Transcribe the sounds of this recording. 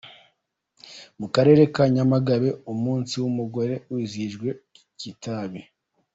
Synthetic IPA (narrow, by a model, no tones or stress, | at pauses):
mukaɾe̞ːɾe̞kaɲamaɡaβe̞umuːnsiwumuɡo̞ɾe̞wiziʒɡwe̞ | citaβi